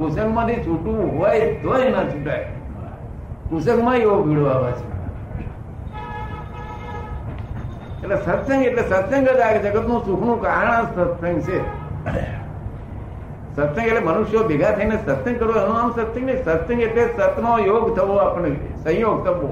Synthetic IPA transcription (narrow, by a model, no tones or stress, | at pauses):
kusəŋɡmãt̪it͡ʃʰuʈũɦoʋajd̪ʱojnət͡ʃʰuʈaj | kusəŋɡmãjoɡ̚bʱiɽoʋaʋat͡ʃʰe̥ | eʈlesət̪sə̃ŋɡeʈlesət̪sə̃ŋɡəd͡ʒaekd͡ʒəkət̪nũsukʰnũkaɳ̃ə̃sət̪sə̃ŋɡt͡ʃʰe | sət̪sə̃ŋɡeʈlemənuʃjobeɡʱat̪ʰəinesət̪sə̃ŋɡkəɾoənũamsət̪sə̃ŋɡnisət̪sə̃ŋɡeʈlesət̪nojoɡt̪ʰəʋoapəɳe | sə̃joɡ̚t̪ʰəʋo